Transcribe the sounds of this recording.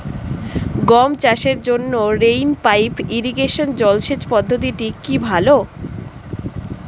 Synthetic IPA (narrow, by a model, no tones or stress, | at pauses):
ɡɔmt͡ɕaʃeɾd͡ʑonːoɾejnpajpiɾiɡeʃond͡ʑɔlʃet͡ɕpɔd̪ʱːot̪iʈikibʱalo